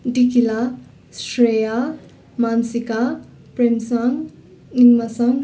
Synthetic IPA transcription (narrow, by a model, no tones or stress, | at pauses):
ɖikila | sɾeja | mansika | pɾemsʌŋ | iŋmasʌŋ